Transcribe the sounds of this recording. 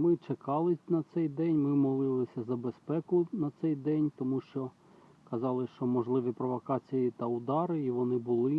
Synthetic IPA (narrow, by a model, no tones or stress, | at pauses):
mɪt͡ʃekɑlˠɪnɐt̪sɛjd̪ɛnʲmɪmɔlˠɪlˠɪsʲɐzɐbespɛkʊnɐt̪sɛjd̪ɛnʲt̪ɔmuʃt͡ʃɔ | kɐzɑlˠɪʃt͡ʃɔmɔʒlˠɪʋipɾɔʋɔkɑt͡sʲijit̪ɐʊd̪ɑɾɪiʋɔnɪbʊlˠɪ